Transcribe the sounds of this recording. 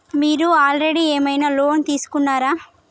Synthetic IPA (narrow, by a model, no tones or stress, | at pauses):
miːɾuaːlɾeɽieːmɐjnaːloːnt̪iːsu̥kunːaːɾaː